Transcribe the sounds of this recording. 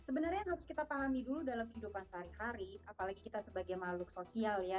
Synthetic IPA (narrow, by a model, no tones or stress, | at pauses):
səbənarɲaɦaɾʊskit̪apaɦamiduludalamkhidupansaɾihaɾiapalaɡikit̪asəbaɡajmalʊksosialja